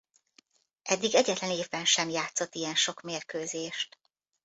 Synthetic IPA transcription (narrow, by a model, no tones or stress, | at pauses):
ʔɛd̪ːiɡɛɟɛt̪lɛneːvbɛnʃɛmjaːt̪so̞t̪ːijɛnʃo̞kmeːrkøːzeːʃt̪